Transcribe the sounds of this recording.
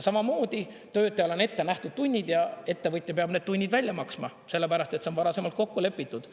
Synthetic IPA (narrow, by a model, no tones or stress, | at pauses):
sɑmɑmo̞ːd̪i | t̪ø̞ːd̪ˑeole̞ne̞t̪ːe̞næht̪ud̪̥t̪unʲːid̪jɑe̞t̪ːe̞vɯt̪ʲːˑepeɑb̥ne̞ːd̪̚t̪unʲːid̪̥vælʲjɑmɑksmɑ | se̞lːepæɾɑst̪et̪senvɑɾɑse̞mɑlt̪ko̞kːule̞pːˑit̪ˑːud̪̥